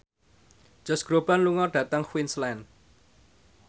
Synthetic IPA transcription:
d͡ʒ̥ɔ̤sɡ̥ɾob̥anluŋɔɖ̥ä̤t̪əŋxwinslɛn

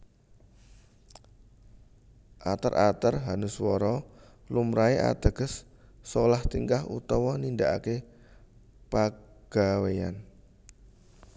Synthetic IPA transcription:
ʔat̪ərʔat̪ərɦanəswɔɾɔ | lumɾaeʔa̰d̪̥ə̤ɡ̥ə̤sː | olaht̪iŋkaɦṵt̪ɔwɔnind̪aʔa̰ke | paɡ̥a̤weja̰n

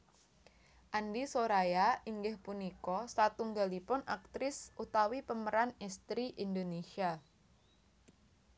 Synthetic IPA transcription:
ʔandisoɾajaiŋɡɪhpunikɔsat̪uŋɡalipʊnak̚t̪ɾɪsut̪awipəməɾanɛst̪ɾiʔind̪onesia

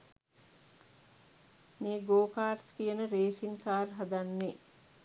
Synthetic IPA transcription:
miːɡoːkaːɾskijənəɾeːsiŋkaːrɦad̪anːe

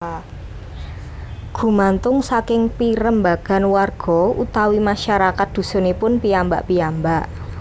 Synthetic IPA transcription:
ɡ̥ṳmant̪ʊŋsakɪŋpiɾəmbaɡ̥a̤nwarɡ̥ɔ̤ut̪awimaʃaɾakat̪̚d̪̥ṳsɔ̤nepʊnpiamba̰ʔpiambaʔ

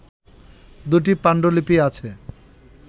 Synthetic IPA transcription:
d̪uʈ̬ipaɳɖolipiat͡ɕʰe

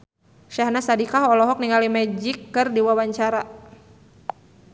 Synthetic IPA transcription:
ʃahnasadikaɦɔlɔɦɔk̚niŋalimɛd͡ʒikːɨrdiwawaɲt͡ʃaɾa

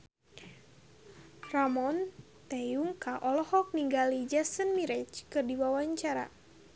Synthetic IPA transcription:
ramɔn | t̪ɛuŋkaʔɔlɔhɔk̚niŋɡalid͡ʒasənmiɾɛt͡ʃkɨrdiwawaɲt͡ʃaɾa̰

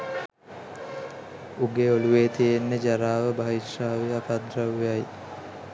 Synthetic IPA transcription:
uɡeoluʋeːt̪ijenːəd͡ʒaɾaːʋəbaɦiʃaːʋiakad̪ɾaʋːejaj

